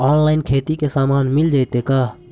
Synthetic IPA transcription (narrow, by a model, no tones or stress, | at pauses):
aːnlaːɪnkʰeːt̪ikesaːmaːnmɪld͡ʒaːɪt̪ekaː